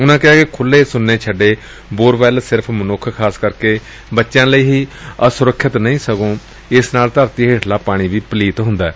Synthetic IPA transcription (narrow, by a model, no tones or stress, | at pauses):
ʊnãːkɪɦaːkɪkʰʊlːeːsʊnːeːt͡ʃʰəɖeː | boːɾʋɛːlsɪɾəpʰmənʊkʰkʰaːskəɾkeː | bətːʃjãːləiːɦiːəsʊɾəkʰːɪt̪nəĩːsəɡõː | ɪsnaːlt̪əɾt̪iːɦeːʈʰlaːpaːɽ̃ĩːʋiːpəliːt̪ɦʊnd̪aːɛː